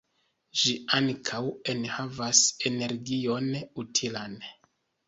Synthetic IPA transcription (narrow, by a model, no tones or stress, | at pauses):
ʒiaŋkʰawe̞nhavase̞ne̞ɾɡio̞nutʰilan